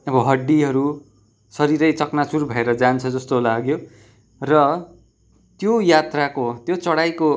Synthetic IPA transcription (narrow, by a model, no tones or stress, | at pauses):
ʌbʌɦʌɖːiɦʌɾu | sʌɾiɾʌjt͡sʌknasurbʱʌeɾʌd͡zant͡sʰʌd͡zʌst̪olaɡjo | rʌ | t̪jojat̪rakot̪jot͡sʌɽajko